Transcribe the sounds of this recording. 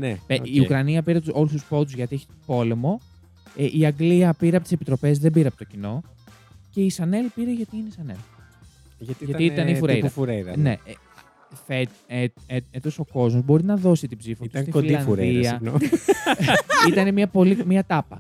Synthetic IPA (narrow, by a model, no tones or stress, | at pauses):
nepeiukɾɐniɐpiɾet̪o̞lust̪uspot̪̬uzʝɐt̪ieçi̥t̪opo̞le̞mo̞ | eʔiɐŋɡliɐpiɾeɐpot̪sepit̪ɾo̞pe̞zðe̞mbiɾeɐpot̪ocino̞ | ce̞isɐne̞lpiɾe̞ʝɐt̪iiːneisɐne̞l | t̪ʝɐt̪iit̪ɐneifuɾejðɐfuɾeðɐ̰ne̞̰ | fe | eeet̪oso̞ko̞zmo̞zbo̞ɾinɐðo̞sit̪ibzifot̪st̪ikiliɐfnɾðiɐ | it̪ɐnemiɐpo̞limiɐt̪ɐpɐ